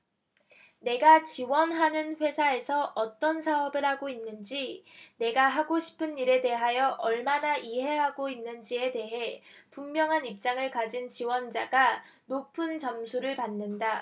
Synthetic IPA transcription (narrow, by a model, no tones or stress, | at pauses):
ne̞ɡat͡ɕiwʌnɦanɯnɸwe̞sʰae̞sʰʌʔʌt͈ʌnsʰaʌbiɾɦaɡoinːɯnd͡ʑine̞ɡaɦaɡoɕʰi̥pʰɯnːiɾe̞de̞ɦajʌʔʌɭmanaʔiɦe̞ɦaɡoinːɯnd͡ʑie̞de̞ɦe̞pumːjʌŋɦanip̚t͡ɕ͈aŋɯɭkad͡ʑint͡ɕiwʌnd͡ʑaɡa | nopʰɯnt͡ɕʌmsʰuɾɯɭpanːɯnda